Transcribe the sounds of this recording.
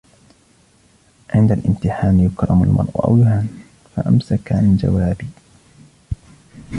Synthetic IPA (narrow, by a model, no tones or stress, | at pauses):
ʕɪnd̪alʔɪmt̪ɪħaːnjʊkɾˤɑma̰lmɑ̰ɾˤʔʊʔa̰wjʊhaːn | faʔamsakamɪnd͡ʒa̰waːbiː